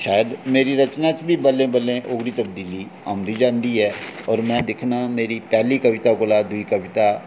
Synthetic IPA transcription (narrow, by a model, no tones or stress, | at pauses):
ʃaːjəd̪meːɾiːɾət͡ʃnaːt͡ʃbʱiːbəlẽːbəlẽːʔʊːɡɽiːt̪əb̚d̪iːliː | a̰ːmd̪iːd͡ʒãːnd̪iːɦɛːɔːɾmɛ̃ːd̪ɪkʰnaːmeːɾiːpɛːliːkəʋɪt̪aːkolaːd̪ʊiːkəʋɪt̪aː